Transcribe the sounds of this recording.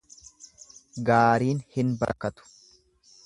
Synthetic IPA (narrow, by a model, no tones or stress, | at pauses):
ɡaːɾiːnhɪnbɐ̰ɾkɐt̪ʊ̥